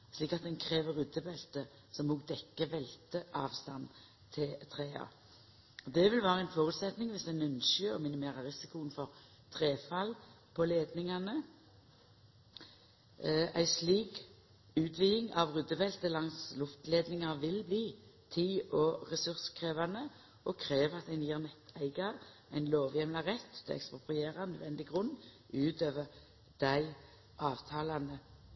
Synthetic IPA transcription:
sliːkɑt̪̚d̪ɛnkʰɾeːʋəɾʁʉd̪ːəbɛlt̪ə | sɔmːuːɡ̚d̪ɛkːəʋɛlt̪əʔɑːʋst̪ɑn | t̪ʰɪlt̪ʰɾeːɑ̰ | d̪ɛʋɪlʋæːʁəɛɪnfɔʁʉːt̪sɛt̪nɪŋʋɪsd̪æɪnʉnʃʏɔmɪnɪmeːɾɑɾɪsɪkʊnfɔɾ | t̪ʰɾeːfɑl | pʰɔleːd̪nɪŋɑnə | æɪsliːk | ʉːt̪ʰʋiːɪŋɑʋʁʉd̪əbɛlt̪əlɑŋslʊft̪leːd̪nɪŋɑʁʋɪlbliːt̪ʰiːɔʁɛsʉʁskʰʁeːʋɑnə | ʔɔkʰʁeːʋəɑt̪æɪniɛʁnɛt̪ʰæɪɡɑʁ | æɪnloːʋjɛmlɑʁɛt̪ːt̪ːʰɪ̰ɛ̰kspʁʊpʰʁɪeːʁɑnəd̪ʋɛnd̪ɪɡʁʉn | ʔʉːt̪øːʋəʁ | d̪̥æɪ | ʔɑːʋt̪ʰɑːlɑnə

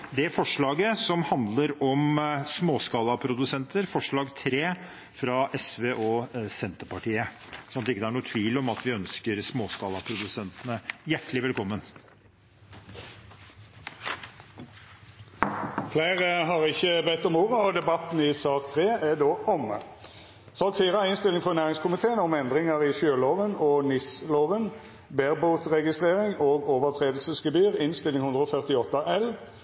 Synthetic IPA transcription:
d̪ɛæfɔʂɭɑːɡəsɔmhɑnd̪ləɾɔmsmoːskɑːlɑpʰɾʊd̪ʉsɛnt̪əɾfɔʂɭɑːɡt̪ʰɾeː | fɾɑʔɛsʋeːʔɔsɛnt̪əpɑʈiːəsɔnɑt̪ɪkːəd̪ɛæɳuːət̪ʰʋiːlɔmɑt̪ʋɪœnskəɾsmoːskɑːlɑpʰɾʊd̪ʉsɛnt̪ənəjæʈːlɪʋɛlkʰɔmːən | fleɪʁəɦɑʁɪçːəbɛt̪ːɔmuːʁəɔd̪ɛbɑt̪n̩ɪsɑːkt̪ʰʁeːæd̪oːʔɔmə̰ | sɑlk̪fiːʁəæɪnst̪ɪlɪŋfɔʁnæːʁɪŋskʰʊmɪt̪ʰeːənɔmɛnd̪ʁɪŋəʁiʃøːloːʋənoːnɪsloːʋən | beːʁbuːt̪ʁɛɡɪst̪ʁeːʁɪŋoːɡoːʋəʁt̪ʰʁeːd̪l̩səsɡəbyːʁɪnst̪ɪlːɪŋhʉnd̪ʁəɔːfœʁt̪ɪɔt̪ːɑʔɛl

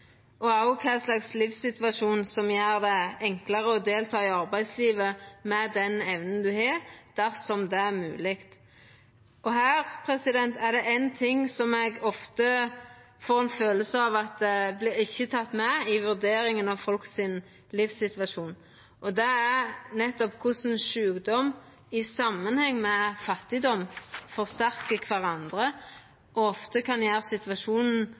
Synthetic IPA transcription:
ʔɔæʊkʰæslɑkslifsɪt̪ʋɑʃuːnsɔmjæːʁd̪ɛɛŋkləʁəɔd̪eːlt̪ʰɑːɪɑʁbæɪd̪sliːʋəmɛd̪ɛnɛʋnənd̪ʉhɑːɾd̪̥æʁsɔmd̪ɛæʁmʉ̰ːlɪkt̪ | ʔɔɦæːʁpʰɾɛsɪd̪ɛnt̪ʰæʁd̪ɛʔæɪnt̪ʰɪŋːsɔmɛɡɔft̪ə | foːʁɛnføːləsəɑʋɑt̪̚d̪ɛblɪɾɪçːət̪ʰɑt̪ːmɛɪʋʉʁd̪eːɾɪŋənɑʋfɔlksɪn | lifsɪt̪ʋɑʂuːn | ʔɔd̪ɛænɛt̪ːɔpkʰʊsnʃʉːɡd̪ɔm | ɪsɑmːənhɛŋːmɛfɑt̪ːɪd̪ɔmfɔʁst̪æʁkəkʰʋæʁɑnd̪ʁə | ʔɔɔft̪əkʰɑnjæːʁsɪt̪ʋɑʂuːnn̩

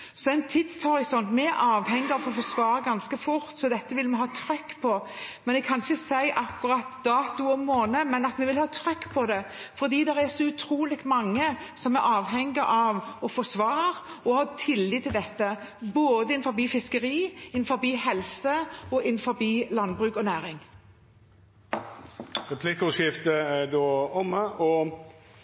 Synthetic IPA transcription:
sɔæɪnt̪ʰɪd̪shɔɾɪsɔnt̪mɛæɾʔɑːʋhɛŋːɪɑfoːfɔsʋɑːɾəɡɑnskəfʊɾt̪sɔd̪ɛt̪ːəʋɪlmɛɦɑːt̪ʰɾʏkːpʰɔmɛnɛɡkʰɑnçəsæɪʔɑkːʊɾɑt̪d̪ɑːt̪ʉɔmoːnəmɛnɑt̪mɛʋɪlhɑːt̪ʰɾʏkːpʰɔd̪ɛfɔɾd̪iːd̪ɛɾæsɔʉt̪ʰɾuːlɪɡmɑŋːə | sɔmɛɾɑːʋɦɛŋːəʔɑʋɔfɔsʋɑːʁɔhɑːt̪ʰɪliːt̪ʰɪld̪ɛt̪ːə | boːd̪əɪnfɔbiːfɪskəɾiːɪnfɔɾbiːhɛlsəɔʔɪnːfɔɾbiːlɑnbʁʉːkɔnæːɾɪŋ | ʁɛpʰlikʊʃɪft̪əæd̪oːɔməʔɔ

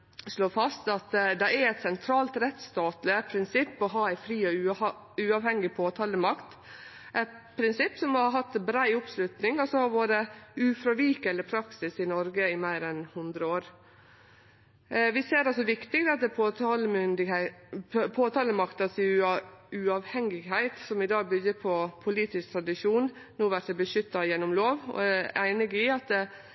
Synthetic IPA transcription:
ʂloːfɑst̪ɑt̪d̪ɛæɾɛɪt̪sɛnt̪ʰɾɑːlt̪ɾɛt̪st̪ɑːt̪ləpʰɾɪnsɪpːɔɦɑːæɪfɾiːɔʉ | ʉːɑʋhɛŋːɪpʰoːt̪ʰɑːləmɑkt̪ | ʔɛt̪pʰɾɪnsɪpːsɔmɔhɑɦɑt̪ːbɾæɪʊpslʉt̪nɪŋɔsɔhɑʋoːɾəʉːfɾɑʋiːkələpʰɾɑksɪsɪnɔɾɡəɪmæɪɾɛnhʊnd̪ɾəoːɾ | ʋɪseːɾɑlsɔʋɪkt̪ɪɡd̪ɑt̪̚d̪ɛpʰot̪ɑləm | pʰoːt̪ʰɑːləmɑkt̪ɑsɪ | ʉɑʋhɛŋːɪɡɦæɪt̪sɔmɪd̪ɑːɡbʏɡəpʰɔpʰʊliːt̪ɪskt̪ʰɾɑd̪ɪʂuːn | nuːʋæɾt̪əbəʃʏt̪ːɑjɛnːɔmloːʋɔ̰ææɪnɪɡɪɑt̪̚d̪ɛ

